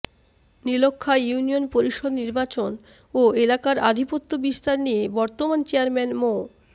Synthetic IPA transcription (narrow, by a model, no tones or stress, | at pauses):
nilokʰːajunionpoɾiʃod̪niɾbat͡ɕon | oelakaɾa̰d̪ʱipot̪ːobist̪aɾnijebɔɾt̪omant͡ɕeaɾmɛnmo